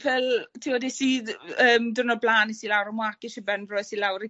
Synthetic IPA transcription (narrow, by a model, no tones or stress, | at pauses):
pʰɛltʰiwɔdisiəːmdʊnɔblaːnisilawɾɔmwakiʃəbɛnvrɔjsilawɾi